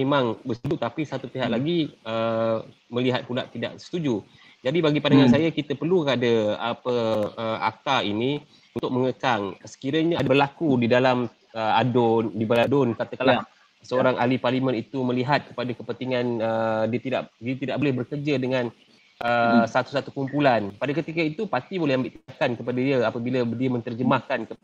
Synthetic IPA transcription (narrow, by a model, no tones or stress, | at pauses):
memaŋbərsəbʊt̪ːapisat̪upiɦaʔlaɡiə | məliɦat̪̚pula̰ʔt̪ida̰ʔsə̥t̪ud͡ʒu | d͡ʒadibaɡipandaŋansajakit̪apərlukadaapəəa̰k̚t̪aini | unt̪ʊk̚məŋəkaŋsə̥kiɾəɲaabərlakudidalam | əadʊndibaladʊnkat̪akala | səoɾaŋʔa̰liparlimə̃nit̪umə̃liɦat̪̚kə̥padakəpənt̪iŋanədiət̪ida̰ʔdiət̪idaʔ̚bolɛhbərkərd͡ʒadəŋãn | ʔəsat̪u̥sat̪ukumpulanpadakət̪ikait̪upat̪ibolɛhambiʔt̪indakankəpadaiəapəbiladiəmə̃nt̪ərd͡ʒəmahkankə